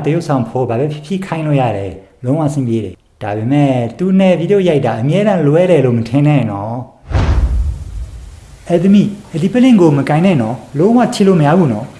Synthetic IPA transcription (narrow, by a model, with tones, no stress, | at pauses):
t̪əjo˦ʔsʰã˨ʊ̃mpʰo˦˨ba˨bɛ˦pʰjɪ˦˨pʰjḭ˦˨kʰã˦ɪ̃lo̰˦˨ja̰˦˨ɾɛ˨lõ˦ʊ̃wa̰˦˨sɪ̰̃˦˨mpje˦ɾɛ̰˨ | d̥a˨be˨mɛ˦˨t̪u˨nɛ˦˨vi˦˨do˦˨ja˦ɪʔtːa˨ʔəmjɛ˦ɾã˦lwɛ˦ɾɛ˨lo˦˨mətʰɪ̃˨nɛ̃˦˨nɔ˦ | ʔɛ˦˨d̪ə˦mḭ˦˨ʔə˨di˨pə˦lɪ̃˨ŋɡo˨mə˨kã˨ɪ̃nɛ̃˦˨nɔ˦lõ˦wa̰˦˨tʰḭ˦˨lo˦˨mə˨ja˦bu˦˨nɔ˦